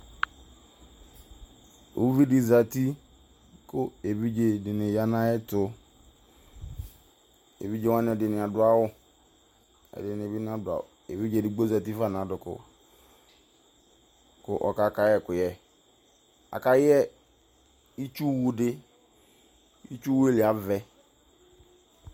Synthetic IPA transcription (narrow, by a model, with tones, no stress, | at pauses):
ṵ˦vi˦di˨za˨ti˦ | kʊ˦e˨bi˦d͡ʒe˨dɪ˨nɪ˨ja˦na˦jɛ˦tʊ˨ | ḛ˨bi˦d͡ʒe˦wa˦n˦ɛ˨dɪ˨nɪ˨a˨dʊ˨˦a˦wʊ˦ | ɛ̰˨dɪ˨n˨e˨bi˦n˦a˦dʊ˨a̰˨e˨bi˦d͡ʒe˨dɪ˨ɡ͡bo˦za˨ti˦fa˦˨n˨a˨dʊ˨kʊ̰˨ | kʊ˦ʔɔ̰˨ka˦ka˦jɛ˦˨kʊ˨jɛ˦ | a̰˨ka˦jɛ˦ | i˦t͡ʃu˦wu˦dɪ˦ | i˦t͡ʃu˦wu˦e˦lɪ˨a˨vɛ˨